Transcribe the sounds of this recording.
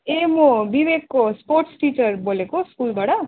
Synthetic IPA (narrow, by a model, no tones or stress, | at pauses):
emobibeɡkosporʈsʈit͡sʌrbolekoskulbaɽʌ